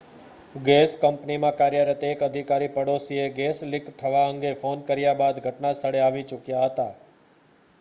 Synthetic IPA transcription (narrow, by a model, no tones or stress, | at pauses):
ɡeskəmpnimãkaɾjəɾət̪ekəd̪ʱikaɾipəɽosieɡeslɪkt̪ʰəʋaəŋɡefonkəɾjabad̪ɡʱəʈnast̪ʰəɽeaʋit͡ʃʊkjaɦət̪a